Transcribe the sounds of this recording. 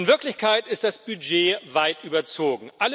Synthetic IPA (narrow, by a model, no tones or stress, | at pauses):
nvɪɐklɪçkʰaɪtɪst̚d̥asb̥yd͡ʒeːvaɪtʔyːbɐt͡soːɡŋ̩ʔal